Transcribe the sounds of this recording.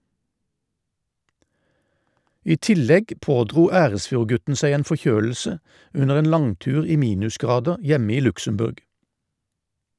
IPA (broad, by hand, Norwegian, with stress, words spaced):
ˈiː ˈtɪlɛɡ ˈpoːdʁuː ˈæːʁəsfjuːʁˌɡʉtn̩ ˈsæɪ ˈeːn fɔˈçøːl̩sə ˈʉnəʁ ˈeːn ˈlɑŋˌtʉːʁ ˈiː ˈmiːnʉsˌɡʁɑːdəʁ ˈjɛmə ˈiː ˈlʉksəmˌbʉʁɡ